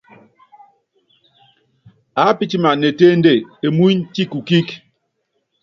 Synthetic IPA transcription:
a˨˦pi˦t͡ʃi˦ma˨ne˨te˦n˦de˦˨e˨mu˦nt͡ʃi˦ku˨ki˦k

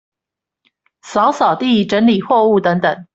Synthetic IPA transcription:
sɑ˧˥ʊsɑ˨˩ʊt̪i˥˩ʈ͡ʂə˧˥nli˨˩xwɔ˥˧u˥˩t̪ə˧˦˥ŋt̪ə˨˩ŋ

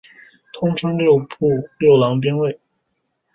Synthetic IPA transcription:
t̪ʰʊ˥ŋʈ͡ʂʰɤ˥ŋljo˥˧ʊpʰu˥˧ljo˥˩ʊlɑ˧˥ŋp̬jɛ˥nwe˥˩ɪ

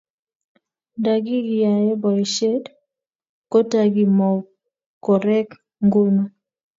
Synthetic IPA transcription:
nda˨ɡi˦ɡɪ˨ja˨jɛ˦bɔ˨ʃe˦d | ko˦ta˦ɡi˨mɔ˨w | kɔ˨ɾɛ˦k | ŋɡʊ˦lma˦

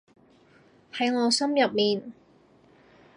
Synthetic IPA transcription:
hɐ˨˥jŋɔː˨˧sɐ˥mjɐ˨p̚miː˨n

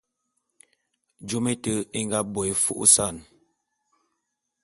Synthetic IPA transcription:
d͡ʒo˦me˦tə˦i˦ŋ˦ɡa˦bo˨i˨fṵ˦ʔsa˦˨n

